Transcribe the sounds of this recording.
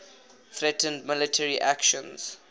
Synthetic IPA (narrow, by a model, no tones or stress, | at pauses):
fɹɛtə̃ndmɪlɪtʰəɹiʔækʃɔ̃nz̥